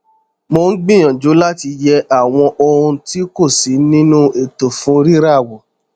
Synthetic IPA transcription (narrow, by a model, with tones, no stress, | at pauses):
mo˧n̩˦ɡ͡bĩ˦˨j̃ɔ̃˨d͡ʒo˨˦la˦ti˧jɛ˧ʔa˦˨w̃ɔ̃˧ʔo˧ɾũ˧ti˦ko˦˨si˨˦nĩ˦nũ˦e˨to˨fũ˨˦ɾi˦ɾa˦˨wɔ˨